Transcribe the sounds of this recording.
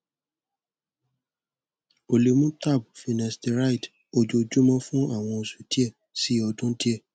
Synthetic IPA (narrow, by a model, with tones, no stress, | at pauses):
o˨le˨mũ˦ta˦˨bu˨fi˨nɛ̃˨ste˨ɾa˦i˨t | o˨d͡ʒo˧d͡ʒu˦mɔ̃˦fũ˦a˦˨w̃ɔ̃˧o˧su˨ti˦ɛ˦˨ | si˨˦ɔ˧dũ˦ti˦ɛ˦˨